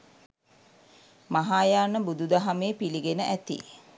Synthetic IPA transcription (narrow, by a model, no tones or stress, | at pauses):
maɦaːjaːnəbud̪ud̪aɦameːpiliɡenəʔæt̪ḭ